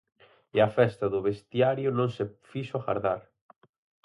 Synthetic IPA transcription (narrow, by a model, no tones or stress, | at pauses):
ɪɐfɛst̪ɐðʊβest̪jaɾjʊnõŋsefiʃoɣa̰ɾðaɾ